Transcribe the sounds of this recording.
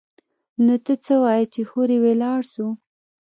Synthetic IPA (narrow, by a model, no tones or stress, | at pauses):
not̪ət͡səwɑjt͡ʃexoɾewelɑɽʃu